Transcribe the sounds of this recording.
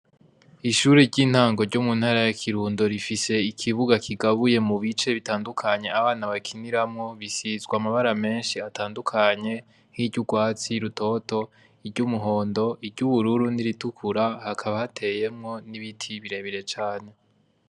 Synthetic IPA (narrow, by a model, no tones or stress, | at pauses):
iʃuɾiɟin̥haːŋɡo̞ɾɟomun̥haɾajakʰiɾuːndo̞ɾifise̞ikʰiβuɡakʰiɡaβuje̞muβit͡ʃe̞βitaːndukʰaɲe̞aβaːnaβakʰiniɾamŋo̞βisizɡwamaβaɾame̞ːnʃiataːndukʰaɲe̞ | hiɟuɡwaːt͡siɾuto̞to̞ | iɾɟumuɦo̞ːndo̞ʔiɾɟuβuɾuɾuniɾitukʰuɾahakʰaβahatʰe̞je̞mŋo̞niβitʰiβiɾe̞βiɾe̞t͡ʃaːne̞